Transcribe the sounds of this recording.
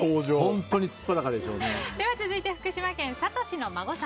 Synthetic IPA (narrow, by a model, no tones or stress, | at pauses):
oːʑoõnt̪o̞ɲ̟isɨ̥pːad̪akad̪e̞ɕo̞̰ːned̪e̞βat͡sɨzɨit̪e̞ɸɯ̥kɯ̟ɕimakẽɰ̃sat̪o̞ɕino̞maɡo̞sã